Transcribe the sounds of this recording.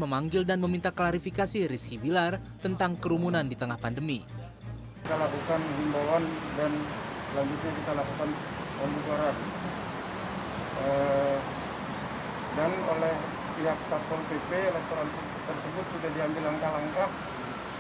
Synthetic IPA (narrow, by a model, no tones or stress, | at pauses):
məmaŋɡɪldanməmint̪aklaɾifikasiɾisibilart̪ənt̪aŋkəɾumunandit̪əŋahpandəmi | it̪alakukanɦimbolandanslaɲd͡ʒut̪̚ɲakit̪alakukanpəmbukaɾan | ə | danolɛh | piɦak̚sat̪ɔrpepelɛst̪oɾansi | t̪ərsəbʊt̪̚sudahdiaŋɡɪlːaŋkalaŋkah